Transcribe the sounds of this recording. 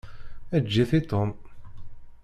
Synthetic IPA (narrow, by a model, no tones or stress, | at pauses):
æd͡ʒːiθit̪om